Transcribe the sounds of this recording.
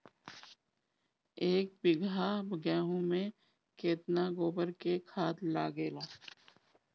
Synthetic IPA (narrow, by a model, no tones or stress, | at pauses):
eːk̚bɪɡʱabəɡɛːɦũmẽ | keːt̪naɡoːbəɾkekʰaːt̪laːɡeːloː